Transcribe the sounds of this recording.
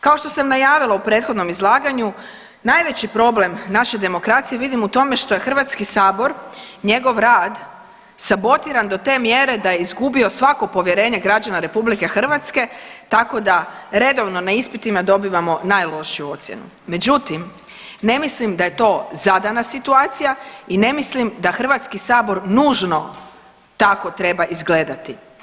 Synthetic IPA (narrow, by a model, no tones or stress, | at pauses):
kao̞ʃt̪o̞samnajaːʋilaupɾeːt̪xod̪no̞mizlˠaːɡaɲu | najʋe̞t͡ɕipɾo̞ble̞mnaʃed̪e̞mo̞kɾat̪sije̞ʋid̪imut̪o̞me̞ʃt̪o̞jexr̩ʋat̪skisaːbo̞ɾɲe̞ɡo̞ʋɾaːd̪ | sabo̞t̪iɾand̪o̞t̪e̞ːmjeɾe̞d̪ajeizɡubio̞sʋako̞po̞ʋje̞ɾe̞ːɲeɡɾad͡ʑanaɾe̞publike̞xr̩ʋat̪ske̞t̪ako̞d̪aɾe̞d̪o̞ʋno̞naispit̪imad̪o̞biːʋamo̞naːjlˠo̞ʃijuo̞t̪sʲjḛnṵ | me̞d͡ʑut̪im | ne̞mislimd̪aje̞t̪o̞ːzad̪anasit̪uaːt̪sijaine̞mislimd̪axr̩ʋat̪skisaːbo̞ɾnuːʒno̞ | t̪ako̞t̪ɾe̞baʔizɡle̞ːd̪at̪i